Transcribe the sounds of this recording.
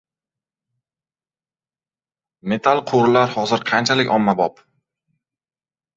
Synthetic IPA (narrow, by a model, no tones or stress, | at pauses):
me̞t̪ʰalˠqʰoɾɪlaɾhɒzɪɾqʰɑnt͡ʃʰalɪkʲɒmːabɒp